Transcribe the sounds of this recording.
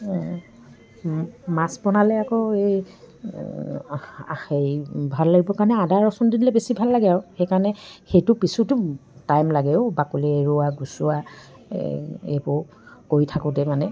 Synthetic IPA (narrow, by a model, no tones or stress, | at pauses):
masbɔnalɛakɔej | ejbʱalːaɡibɔkaɹnɛadaɹɔsɔndidilɛbesibʱalːaɡɛaɹʊxejkaɹnɛxejtʊpisutʊtajmlaɡɛʊbakulɛeɹuaɡusua | ḛbʊ | koɹitʰakʊ̃tɛmanɛ